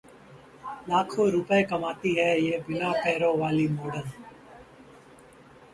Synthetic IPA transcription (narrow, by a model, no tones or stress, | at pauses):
laːkʰõːɾʊpəekəmaːt̪iːɦɛːjeːbɪnaːpɛːɾõːʋaːliːmoːɖən